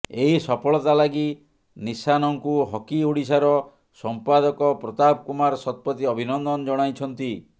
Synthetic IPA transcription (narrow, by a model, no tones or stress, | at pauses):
eɦisɔpʰɔɭɔt̪alaɡi | nisanɔŋkuɦɔkiuɽisaɾɔ | sɔmpad̪ɔkɔpɾɔt̪ab̚kumaɾsɔt̪̚pɔt̪iɔbʱinɔnd̪ɔnɔd͡ʒɔɽ̃ajt͡ʃʰɔnt̪i